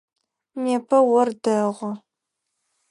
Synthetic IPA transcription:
neːpʰɐwɔrdɐʁʷɔ

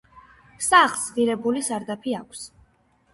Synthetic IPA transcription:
saχsʁiɾɛbulisaɾd̪apʰiakʷʰs

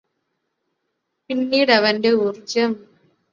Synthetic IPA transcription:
pɪnːiːɽɐʋɐnɖeʊɾd͡ʒɐm

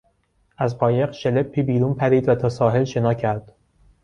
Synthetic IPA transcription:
ʔæzqɒːje̞qʃelepʰːiːbiːɾuːnpʰæɾiːd̪væt̪ʰɒːsɒːɦe̞lʃe̞nɒːcʰæɾd̪̥

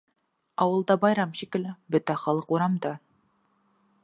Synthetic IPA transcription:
ɑwɤ̆lˠd̪ɑbɑjɾɑmɕikɘ̆lbɵt̪æχɑlˠɤquɾɑmd̪ɑ

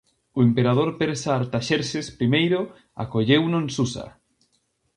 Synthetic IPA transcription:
ʊempeɾað̞oɾpeɾsaːɾt̪aʃeɾsespɾimejɾo | a̰koʎewnoẽnsusa̰

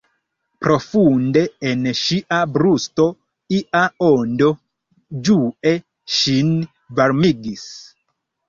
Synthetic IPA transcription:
pɾo̞funde̞ːnʃiʔabɾusto | iʔaondo̞ | d͡ʒuʔe | ʃin | vaɾmiɡis

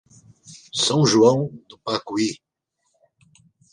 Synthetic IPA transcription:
sɐ̃w̃ʒuɐ̃w̃d̪ʊpakui

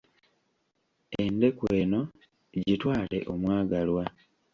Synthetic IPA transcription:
ende̞kwe̞ːno̞ | ɟitwaːle̞̰ʔo̞mwaːɡalwa

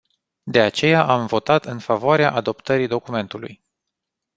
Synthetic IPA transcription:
d̪e̞at͡ʃe̞jaʔamvo̞t̪at̪ɨnfavoaɾeaʔad̪o̞pt̪əɾid̪o̞kume̞nt̪ulṵj

